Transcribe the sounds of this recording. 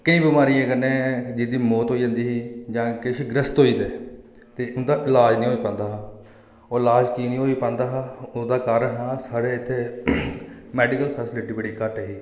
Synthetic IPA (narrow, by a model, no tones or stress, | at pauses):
kəĩːbɪmaːɾiːɛ̃ːkənẽːd͡ʒɪd̪iːmoːt̪ɦoːiːd͡ʒãːnd̪iːɦiːd͡ʒãːkɪʃɡɾəst̪ɦoːiːd̪eː | t̪eːʊnd̪aːʔɪlaːd͡ʒnĩːɦoːiːpãːnd̪aːɦaː | oːɪlaːd͡ʒkiːnĩːɦoːiːpãːnd̪aːɦaːʊd̪aːkaːɾənɦãːsaːɽeːɪt̪ʰːeː | mɛːɖɪkəlpʰɛːsɪlɪʈiːbəɽiːkəʈeɦiː